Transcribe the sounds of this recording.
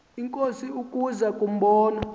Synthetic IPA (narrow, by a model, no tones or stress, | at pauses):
iŋkʼosiukʼuzakʼum̩ɓɔːna